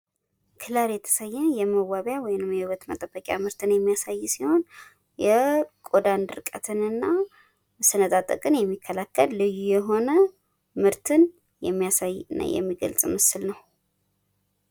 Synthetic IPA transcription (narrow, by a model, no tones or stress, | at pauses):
kʰɨlaɾjɛt̪ʰə̥səjːɛjɛməwaβjawɔjnɨmjɛhɨwət̪mə̰t̪ʼəbəkʼja̰mɨɾt̪ʰɨnjɛmːijasajːsiho̞n | jɛkʼod̪and̪ɨɾkʼət̪ʰɨnɨnːa | sɨnət̪ʼat̪ʼə̰kʼɨnjɛmːikʰːəlakʰːəlːɨjujɛɦo̞nə | mɨɾt̪ʰɨn | jɛmːijasajna̰jɛ̰mːiɡə̰lt͡sʼmɨsɨlnəw